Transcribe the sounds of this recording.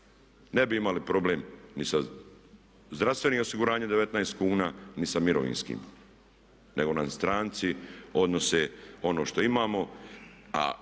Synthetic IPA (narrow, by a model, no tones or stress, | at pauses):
ne̞biimalipɾo̞bleːmnisa | zd̪ɾast̪ʋe̞nio̞siɡuɾaːɲed̪eet̪naest̪̚kuːnaːnisamiɾoʋḭːnskḭːm | neɡo̞nast̪ɾaːnt̪sio̞d̪no̞seo̞no̞ːʃt̪o̞imaːmo̞ | a̰